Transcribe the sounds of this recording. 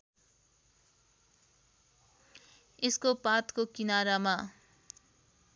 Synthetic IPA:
eskopat̪kokinaɾama

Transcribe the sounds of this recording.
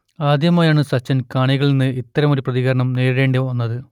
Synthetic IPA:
aːd̪jɐmaːjaːɳɨsɐt͡ɕːɐnkaːɳiɣɐɭninːɨit̪ːɐɾɐmo̞ɾuprɐðiɣɐɾɐɳɐmneːɾɽe̞ːɳɖeonːɐðɨ

